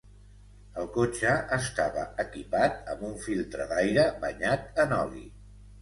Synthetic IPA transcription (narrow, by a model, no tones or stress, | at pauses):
əlˠkot͡ʃəːst̪aβəəkipat̪̚əmbuɱfilˠt̪ɾəðajɾəβəɲat̪̚ənɔlḭ